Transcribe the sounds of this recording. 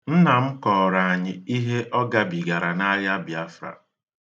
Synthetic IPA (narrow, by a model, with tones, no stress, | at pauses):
n̩˦na˨m̩˦kɔː˨ɾa˨a˨ɲɪ˨i˦ɦe˦ʔɔ˦ɡa˦bi˨ɡa˨ɾa˨na˦ja˦bja˦fɾa̰˨